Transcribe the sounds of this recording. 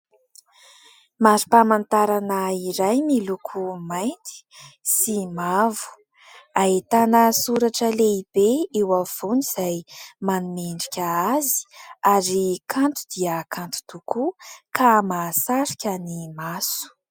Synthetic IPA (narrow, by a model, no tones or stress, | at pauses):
maɾipamant̪aɾanəiɾajmilukʰumajnt̪i̥simavu̥ | aɦet̪anəsuɾaʈ͡ʂəleib̥eewav̥uniz̥ajmanumeɳɖ͡ʐikʲaazi̥aɾikʰant̪u̥d̪̥iəkant̪u̥t̪ukʰukʰamasaɾi̥kʲanimasu̥